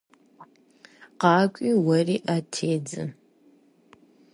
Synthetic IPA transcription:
qɑːkʷʼiːwɐriːʔatʰeːd͡zɨ̰

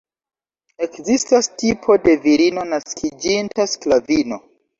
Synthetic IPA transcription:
e̞kzistastipʰo̞de̞viɾino̞naskʰid͡ʒintʰasklavino̞

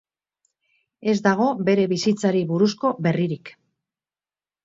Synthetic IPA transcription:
e̞zd̪aɣ̞o̞be̞ɾe̞βisit͡saɾiβuɾusko̞be̞riɾik

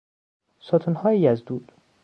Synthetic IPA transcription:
sɒt̪ʰunhɒːjejæzd̪uːd̪̥

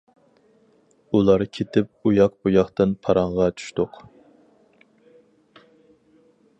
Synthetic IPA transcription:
ulˠɑɾkʲʰet̪ʰɪp̚ujɑqbujɑχt̪ɨnpʰɑɾɑɴʁɑt͡ʃʰy̥ʃt̪ʊq

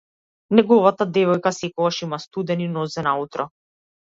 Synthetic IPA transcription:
nɛɡɔvat̪ad̪ɛvɔjkasɛkɔɡaʃimast̪ud̪ɛninɔzɛnaut̪ɾɔ

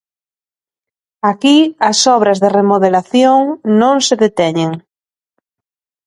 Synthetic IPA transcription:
akiɐsɔβɾɐzðeremoðelaθjoŋnõŋseðet̪ɛɲeŋ

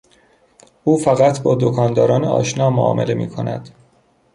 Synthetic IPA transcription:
uːfæɣæt̪ʰbɒːd̪okʰɒːnd̪ɒːɾɒːneɒ̰ːʃnɒːmoɒ̰ːmḛle̞mḭːkʰo̞næ̰d̪̥

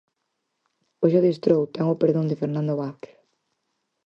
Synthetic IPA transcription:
oʃoðist̪ɾowt̪ɛŋopeɾðõŋd̪ɪfeɾnãnd̪oβaθke̥ɾ

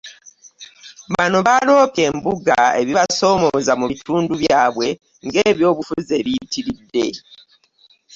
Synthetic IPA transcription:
βano̞βalo̞ːke̞ːmbuɡae̞βiβaso̞ːmo̞zamuβitʰuːnduβjaːβwe̞ | ŋɡe̞ːβjo̞ːβufuze̞βiːtiɾidːe̞

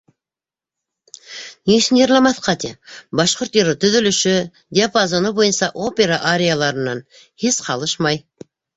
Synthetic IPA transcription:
nisɘnjɤɾlˠɑmɑθqɑt̪ebɑʃqoɾt̪iɾət̪ɵ̆ðɵ̆lɵ̆ʃʏ | d̪ʲeapazonəbojɤnsɑʔopʲeɾaʔaɾʲejalˠɑɾə̆nːɑn | hesqʰɑlˠəʃmɑj

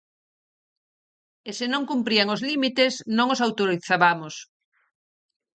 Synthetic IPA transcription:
esɪnõŋkumpɾiaŋozlimit̪esnõŋosawt̪oɾiθaβamos

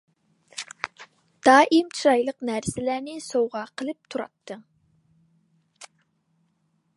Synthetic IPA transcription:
d̪̥ɑːʔimt͡ʃʰɾɑjlˠəqnæɾsɪlæɾnɪsowʁɑqʰəlˠɨp̚t̪ʰuɾɑ̰t̪ʰːɨŋ

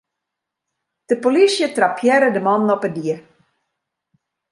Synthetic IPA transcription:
d̥əpolisjətrapʰjɛɾədəmɔnɔpədiə

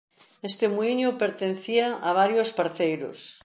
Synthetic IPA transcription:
est̪emuiɲopeɾt̪ẽnθiaʔaβ̞aɾjospaɾθejɾo̰s

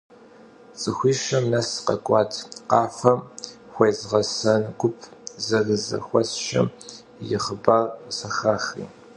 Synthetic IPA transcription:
t͡sʼɨxʷiːʃɐmnɐsqɐ̰kʷʼɑːtʰqɑːfɐm | xʷejzʁɐsɐnɡʷʊpʰzɐɣɨzɐ̰xʷɔsʃɐ̰m | jɪχəbarsɐxaːχḭː

